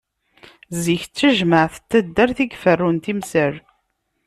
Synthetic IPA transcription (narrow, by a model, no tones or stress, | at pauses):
ziçt͡sːæʒməʕθə̥t̪ːæd̪ːæɾθiɡfərːunt̪imsəɾ